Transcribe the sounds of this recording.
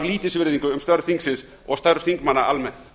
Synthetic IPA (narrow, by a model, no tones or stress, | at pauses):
vliːt̪ɪsvɪɾðiŋkʏʏmst̪œɾʏ̥θiŋksɪns | ɔɣst̪œɾθiŋkmanːaalmɛn̥t̪